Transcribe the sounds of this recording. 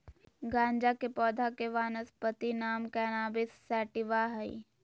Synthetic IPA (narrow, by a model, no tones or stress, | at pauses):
ɡãːɲd͡ʒakepɔːd̪ʱakeʋaːnəspət̪inaːmkɛːnaːbɪsːɛːʈɪʋaːɦəḭ